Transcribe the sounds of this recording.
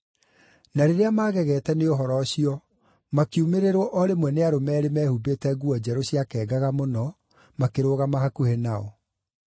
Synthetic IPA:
naɾeɾeamaːɣɛɣɛːtɛneoɦɔɾɔɕiɔ | makiumeɾeɾwɔʔɔɾemwɛneaɾomɛːɾemɛːhubetɛɡuɔd͡ʑɛɾoɕjakɛːɡaɣamonɔ | makeɾoɣamaɦakuhenaɔ̰

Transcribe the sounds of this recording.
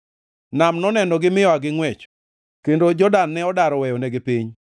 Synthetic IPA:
namnɔnɛnɔɡɪmɪjɔaɡɪŋwɛt͡ʃ | kendod͡ʒɔdanːɛɔdaɾɔwɛjɔnɛɡɪpiɲ

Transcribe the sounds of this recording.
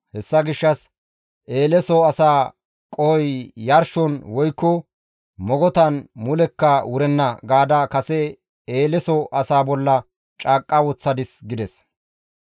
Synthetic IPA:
hɛsːɐɡɪʃːɐs | ʔe̞ːlɛsɔɐsaː | kʼɔjjɐɾʃɔnwɔjkːɔ | mɔɡɔt̪ɐnmʊlɛkːɐwʊɾɛnːɐɡaːd̪akɐsɛ | eːlɛsɔʔɐsaːbɔlːɐ | t͡ʃʼaːkʼːɐwɔt͡sːɐd̪ɪsɡɪd̪ɛs

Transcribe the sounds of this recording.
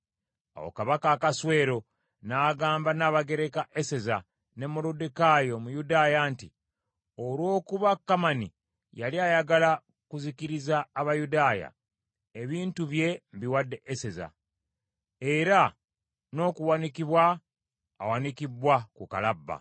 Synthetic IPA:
a̰wo̰kaβakaːkaswe̞ːɾo̞ | naːɡaːmbanaːβaɡe̞ɾe̞kaʔese̞za | ne̞moludekajo̞mujudaːjaːnti | olwo̞ːkuβakːamani | jaliajaɡala | kuzikiɾizaːβajudaːja̰ | eβiːntuβje̞mβiwadːe̞ʔese̞za̰ | e̞ɾa | no̞ːkuwanikiβwa̰ː | wanikibwakuka̰labːa̰

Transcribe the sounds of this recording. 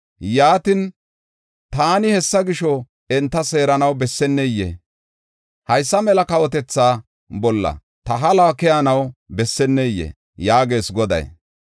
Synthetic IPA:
jaːt̪ɪn | t̪aːnɪhɛsːɐɡɪʃɔ | ɛnt̪ːɐse̞ːɾɐnɐwbɛsːɛnːɛjːḛ | hɐjsːɐmɛlɐkɐwɔt̪̬ɛt͡sːaː | bɔlːɐ̰ | t̪ɐɦɐlakɛjanɐwbɛsːɛnːɛjːḛ | jaːɡe̞ːsɡɔd̪ɐ̰j

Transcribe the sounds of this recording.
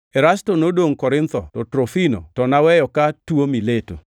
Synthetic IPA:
ɛɾastonodoŋkɔɾɪnt̪ɔtɔtɾofino̰tɔnawɛjɔkatwomileto̰

